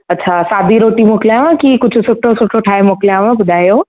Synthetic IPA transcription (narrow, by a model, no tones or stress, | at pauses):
ɐtːʃʰasaːd̪ʱiɾoːʈimoːkleaʋãkikʊt͡ʃʰsʊkʈosʊʈoʈʰaːemoːkleãʋãbʊd̪ʱaːjoː